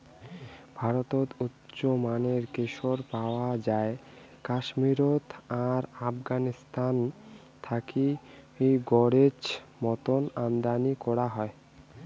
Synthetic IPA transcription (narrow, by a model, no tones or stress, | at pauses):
bʱaɾot̪ot̪utːɕomaneɾkeʃoɾpaoad͡ʑae | kaʃmiɾot̪aɾafɡanist̪ʰan | t̪ʰakiejɡɔɾed͡ʑmɔt̪onand̪anikɔɾaɦɔe